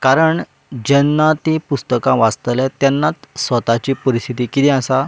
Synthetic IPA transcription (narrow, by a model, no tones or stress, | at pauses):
kaɾəɳ | d͡ʑɛnːat̪ipust̪əkãʋast̪lɛt̪jɛnːat̪sʋət̪at͡ɕiːpəɾist̪ʰit̪ikit̪ĩasa